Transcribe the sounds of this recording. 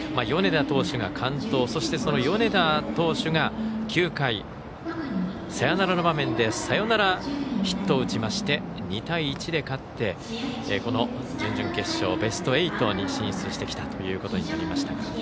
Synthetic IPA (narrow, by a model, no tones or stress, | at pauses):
majo̞ne̞d̪at̪o̞ːɕɨɡakʰãnt̪o̞ːso̞ɕi̥t̪e̞so̞no̞jo̞ne̞t̪at̪o̞ːɕɨɡakʲʰɨːkai | seanaɾano̞bamẽ̞nd̪e̞sajo̞naɾaçi̥t̪ːo̞ɯ̟t͡ɕimaɕi̥t̪e̞ | ɲ̟it̪aiːt͡ɕid̪e̞kat̪ːe̞ | ko̞no̞d͡ʑɨ̃ɲ̟d͡ʑɨ̃ŋke̞ɕːo̞̰ːbe̞sɨ̥t̪o̞e̞it̪o̞ɲ̟iɕĩɰ̃ɕt͡sɨɕi̥t̪e̞kʲi̥t̪at̪o̞jɯ̟ːko̞t̪o̞ɲinaɾʲimaɕi̥t̪aɡa